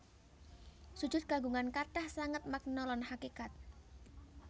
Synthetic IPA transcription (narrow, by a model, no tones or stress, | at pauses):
su̥d͡ʒ̥ʊt̪̚ɡ̥a̤ɡuŋankaʈahsaŋət̪̚mak̚nɔlɔnhakikat̪̚